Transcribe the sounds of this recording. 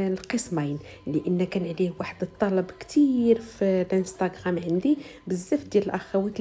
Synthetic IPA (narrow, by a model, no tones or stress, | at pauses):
lqəsmɑjn | liʔənːækænʕlihwaħəd̪ət̪ˤːɑlɑbkt̪ʰiɾfilʔənst̪aɡʁamʕənd̪i | bəzːəft̪d̪jæləlʔæxæwit̪